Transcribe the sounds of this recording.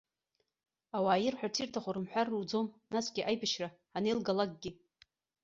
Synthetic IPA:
awaːjɪrħʷᶣatʰirtʰaχʷaɾɨmħʷᶣarːwd͡zo̞mnasɡʲiʔajpaʃraːnejlɡalaɡ̚ɡʲɪ

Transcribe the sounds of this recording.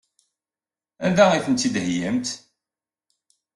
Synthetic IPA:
ænd̪æiθənt̪ːid̪hjæmt̪

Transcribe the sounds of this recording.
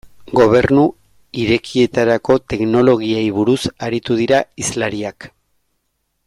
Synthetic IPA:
ɡo̞β̞e̞ɾnu | iɾe̞kʰie̞t̪aɾako̞t̪e̞kno̞lo̞ɣ̞iejβuɾusaɾit̪uðiɾaislaɾiak

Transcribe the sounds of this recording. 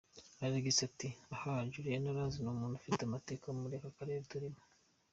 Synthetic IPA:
aɾaɡisatiahaɟuɾienaɾaːzinoːmuːnufiteamate̞ːkaomuɾekakaɾeɾtuɾimḁ

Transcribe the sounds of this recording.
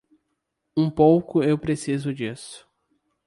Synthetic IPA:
ũpowkʊewpɾesizʊd͡ʒisʊ̥

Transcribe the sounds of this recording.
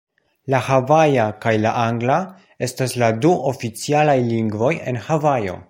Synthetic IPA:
lahavajakajlaʔaŋɡla | e̞stasladuʔofit͡sialajliŋɡvo̞je̞̰nhavajo̞̰

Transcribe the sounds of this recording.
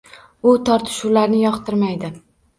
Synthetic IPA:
ʊt̪ʰɒɾt̪ʰɪ̥ʃʊwlaɾnɪjɒqt̪ʰɪɾmajd̪ɪ

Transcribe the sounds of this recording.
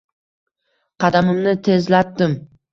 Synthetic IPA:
qʰɑd̪amɪmnɪt̪ʰe̞zlat̪ːɪm

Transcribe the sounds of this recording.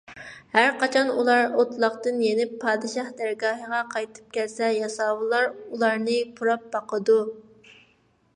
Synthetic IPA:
hæɾqɑt͡ʃʰɑnulˠɑɾot̪lˠɑχt̪ɨnjenɪpʰːɑːd̪ɨʃɑhd̪æɾɡɑːɦəʁɑqʰɑjt̪ʰɨ̥p̚kʲʰɛlsɛjɑsɑːwɨlˠɑɾulˠɑɾnɨpʰuɾɑp̚bɑqʰəd̪u

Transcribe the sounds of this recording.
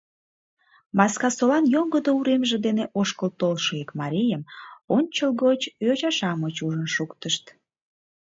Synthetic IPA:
mɑskɑsolɑnjoŋɡəd̪ouɾemʒed̪eneʔoʃkəlt̪olʃoekmɑɾʲijəmonʲt͡ɕəlɣot͡ɕjot͡ɕɑʃɑmot͡ɕuʒənʃukt̪əʃt̪

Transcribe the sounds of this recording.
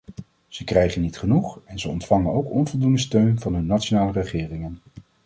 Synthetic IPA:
z̥əkrɛjχənːitχənuχɛnzəɔntfɑŋənowkɔnvɔlˠdundəstøɥnvɑnɦɵnːatt͡ʃonaːlərəχɪːrɪŋən

